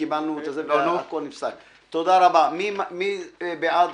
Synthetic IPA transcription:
ibalnut̪azeanofkonifsak | t̪od̪aɾabamimamibeʔad̪

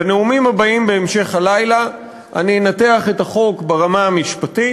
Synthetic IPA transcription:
eneumimhabaimbe̞emʃe̞χhalajla | ʔa̰ninateaχe̞thaχo̞kbeʁamaamiʃpati

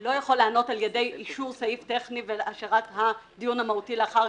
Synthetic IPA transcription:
lo̞jaχo̞lːeano̞taljede̞jiʃuʁsajifte̞χniveʔaʃeʁat̪had̪ijunhamautileaχaʁ

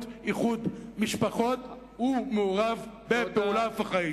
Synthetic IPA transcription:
tiχud̪miʃpaχo̞t̪ | humeuʁavbepeulavaχai

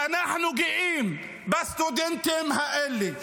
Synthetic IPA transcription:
anaħnʊɡɪʔiːm | bast̪od̪ɪnt̪emhaʔɪlːi

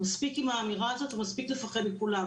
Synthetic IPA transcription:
maspikimaːmiʁaːzo̞t̪umaspikle̞faχed̪mikula

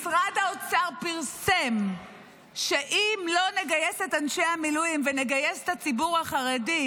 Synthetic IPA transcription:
sʁadaot͡saʁpiʁse̞m | ʃe̞ʔimlo̞ne̞ɡaje̞setanʃehamilujimvene̞ɡaje̞se̥tat͡sibuʁhaχaʁedi

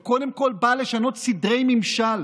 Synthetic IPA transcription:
ko̞demko̞lbale̞ʃano̞t̪sidʁe̞jmimʃal

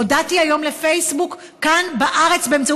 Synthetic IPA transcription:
odatiajo̞mlefejsbukː | anbaʔaʁe̞t͡sbeemt͡sa

